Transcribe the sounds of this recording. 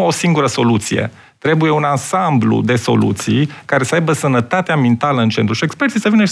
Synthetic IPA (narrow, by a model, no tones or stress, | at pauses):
osiŋɡuɾəso̞lut̪sijḛ | t̪ɾe̞buje̞unansamblṵd̪e̞so̞̰lṵt̪sijkaɾe̞səajbəsənət̪at̪eamint̪aləɨnt͡ʃe̞nt̪ɾuʃie̞kspert̪sisəvinə